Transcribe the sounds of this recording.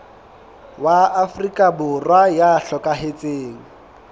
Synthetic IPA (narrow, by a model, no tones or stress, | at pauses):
waːfrikʼabʊrwajaɬɔkʼaɦet͡sʼeːŋ̩